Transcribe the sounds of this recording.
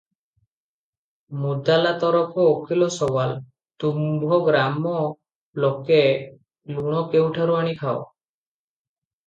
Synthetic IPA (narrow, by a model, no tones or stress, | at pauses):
mud̪alat̪ɔɾɔpʰɔokʰilɔsɔwal | t̪umbʱɔɡɾamɔ | loke | luɽ̃ɔkewʈʰaɾuaɽ̃ikʰao